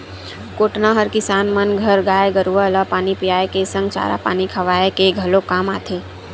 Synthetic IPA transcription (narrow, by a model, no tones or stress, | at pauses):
koːʈnaɦəɾkɪsaːnmənɡʱɐɾɡaːjeɡəɾuʋaləpaːnipijaːekesə̃ŋɡt͡ʃa̰ːɾa̰pa̰ːnikʰɐʋaːekeɡʱɐlokaːma̰ːt̪ʰeː